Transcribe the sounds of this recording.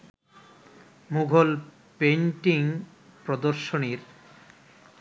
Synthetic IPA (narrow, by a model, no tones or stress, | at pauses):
muɡʱol | penʈiŋ | pɾod̪oɾʃoniɾ